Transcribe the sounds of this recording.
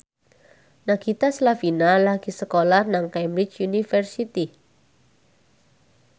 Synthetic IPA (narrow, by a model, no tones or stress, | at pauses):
naɡ̥it̪aslafinalaɡ̥isəkolarnaŋkɛmbɾɪt͡ʃjunifərsit̪i